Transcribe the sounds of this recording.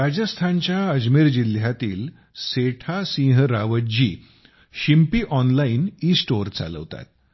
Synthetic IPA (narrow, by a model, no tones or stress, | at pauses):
ɾad͡ʑəst̪ʰant͡ɕjaəd͡ʑmiɾd͡ʑil̤jat̪iːl | seʈʰasĩːɦɾaʋəd͡ʑiː | ɕimpiːʔɔnlainiːsʈoɾt͡sa̰lə̰ʋt̪a̰t̪̚